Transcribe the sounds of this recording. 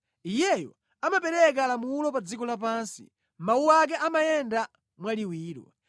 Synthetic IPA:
ijɛjɔ̰ | amapɛɾɛk̬aːlamulɔpad͡zikɔlapaːnsḭ | mauwak̬ɛʔamajɛnda | mwaliwiːɾwɔ̰

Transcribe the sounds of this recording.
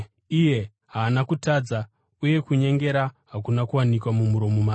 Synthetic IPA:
ije̞ | ɦaːnakutaːd͡za | uje̞kuɲe̞ŋɡe̞ɾaɦakunakuwanikwamumuɾo̞mumaː

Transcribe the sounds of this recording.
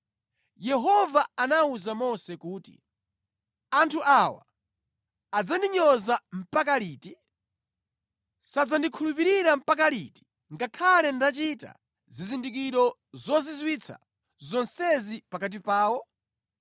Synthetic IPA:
jɛɦɔvaanauzamɔsɛkuːtḭ | antʰuʔawa̰ː | d͡zandiɲɔzam̩pak̬aliːti | sad͡zandikʰulup̬iɾiɾam̩pak̬aliti̥ | ŋɡakʰalɛndat͡ʃita̰ | zizindik̬iɾɔ | zɔzizwit͡sʰa̰ | zɔnsɛzipakat̬ipaːwɔ

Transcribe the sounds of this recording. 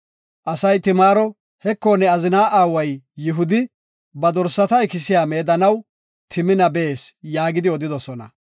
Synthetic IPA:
ʔɐsɐjt̪ɪmaːɾɔ | hɛkːoːnɛɐzɪnaːʔaːwɐjːɪɦʊd̪ɪ | bɐd̪ɔɾsːɐt̪ɐɛkɪsɪjaːmeːd̪ɐnɐw | t̪ʰɪmɪnɐbe̞ːsjaːɡɪd̪ɪɔd̪ɪd̪ɔsɔnɐ

